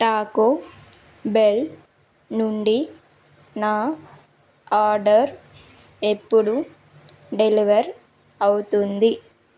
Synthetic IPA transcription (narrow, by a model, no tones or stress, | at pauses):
ʈaːko | bel | nuɳɖi | naː | aːɾɖɐɾ | ɛpːɔɽu | ɖɛliʋɐɾ | ɐwɯt̪und̪i